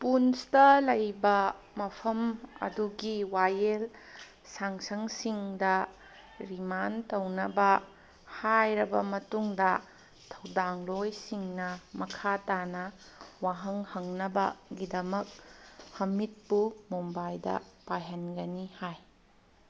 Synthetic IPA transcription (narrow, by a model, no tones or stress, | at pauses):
punstɐlɐjbɐ | mɐpʰɐmɐ̰duɡiwajel | saŋsɐŋsiŋdɐ | ɾimantɐwnɐbɐ | hajɾɐbɐmɐtuŋdɐ | tʰɐwdaŋlojsiŋnɐmɐkʰatanɐ | waɦɐŋhɐŋnɐbɐ̰ɡidɐmɐk̚hɐmit̚pumombajdɐ̰pajɐnɡɐnihaj